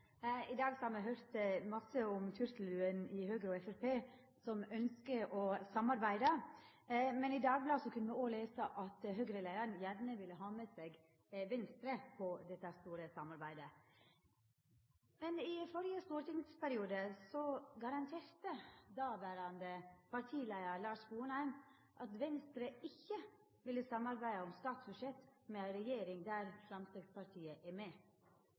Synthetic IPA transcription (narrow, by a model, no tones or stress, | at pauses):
ɪd̪ɑːɡsɔhɑɾmɛɦøːɾt̪mɑsəʊmt̪ʰʉɾsl̩ʉːənɪhøːɡɾɔɛfæɾpeː | sɔmœnskəʔɔsɑmɑɾbæɪd̪ə | mɛnɪd̪ɑːɡ̚blɑːsɔkʰʉnːəmɛoːleːsəʔɑt̪ɦøɡɾəlæɪɾɑnjæɾnəʋɪlːəɦɑːmeːseːɡ | ʋɛnst̪ɾəpʰɔd̪ɛt̪ːəhæst̪uːɾəsɑmɑɾbæɪd̪ə | mɛnɪfɔɾɪəst̪uːɾʈ̪ɪŋspæɾɪuːd̪əsɔɡɑɾɑnt̪ʰeːɾt̪əd̪ɑʋæːɾɑnd̪əpʰɑɾʈ̪ʰiːlæɪəɾlɑːʂbuːnhæɪm | ʔɑt̪ʋɛnst̪ɾəɪçːə | ʋɪlːəsɑmɑɾbæɪd̪əɔmst̪ɑːt̪sbʉʂɛt̪mɛæɪɾɛjeːɾɪŋd̪æɾfɾɑmst̪ɪɡ̪spɑɾʈ̪ʰiːəʔæɾmeː